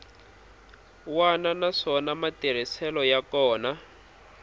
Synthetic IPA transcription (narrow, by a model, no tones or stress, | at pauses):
wananaʂɔnamatiɾ̤isɛlɔjakɔːna